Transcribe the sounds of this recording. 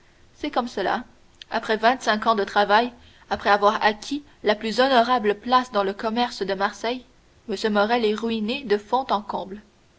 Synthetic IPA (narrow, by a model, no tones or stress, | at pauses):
sɛkɔmsəla̰ | apχɛvɛ̃t̪sɛ̃kɑ̃d̪ət̪χavaj | apχɛavwaːʁakʲʰi | laplyzɔnɔʁabləplasd̪ɑ̃ləkɔmɛʁsd̪əmaʁsɛj | məsjəmɔʁɛleʁyined̪əfɔ̃t̪ɑ̃kɔ̃ːbl